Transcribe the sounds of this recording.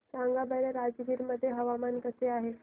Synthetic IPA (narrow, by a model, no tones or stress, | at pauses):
saŋɡabəɾjaɾad͡zɡiːɾməd̪ʱːjeɦəʋamankəseaɦe